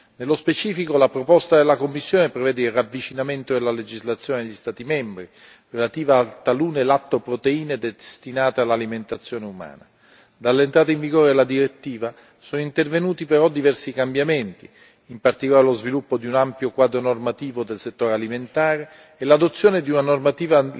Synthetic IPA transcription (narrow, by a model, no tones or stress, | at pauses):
nelːospet͡ʃiːfikolapɾopɔst̪ad̪elːakomːisːjoːnepɾevɛːd̪eilravːit͡ʃinament̪od̪elaled͡ʒizlat̪sːjoːnedeʎːist̪aːt̪imembɾi | relat̪iːvaːlt̪aluːnelat̪ːopɾot̪eiːned̪est̪inaːt̪ealːaliment̪at̪sːjoːneuma̰ːna | d̪alːent̪ɾaːt̪aiɱviɡoːɾelad̪iɾet̪ːiːva | soːnoint̪ervenuːt̪ipeɾɔd̪ivɛrsikambjament̪i | impart̪ikolaːɾelozvilupːod̪iunampjokwaːd̪ɾonormat̪iːvod̪elset̪ːoːɾealiment̪aːɾeː | lad̪ot̪sːjoːned̪iunanormat̪iːva